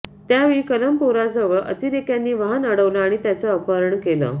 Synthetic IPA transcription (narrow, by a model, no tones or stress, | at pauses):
t̪jaʋikələmpuɾad͡zəʋəɭʔə̰t̪iɾekjanːiːʋaɦənəɽəʋləaɽ̃it̪jat͡səːpəɾəɳkelə̰